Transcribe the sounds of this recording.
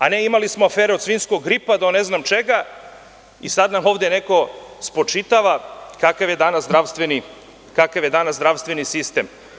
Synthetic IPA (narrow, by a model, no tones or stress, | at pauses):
aneimalismoafeːɾeod̪sʋiːnskoɡːɾipad̪one̞znamt͡ʃeɡa | isad̪namo̞ːʋd̪ene̞ko̞spɾot͡ʃit̪aʋakakaʋje̞d̪anaszd̪ɾaʋst̪ʋeni | kakaʋje̞d̪anasdɾaʋst̪ʋenisist̪e̞m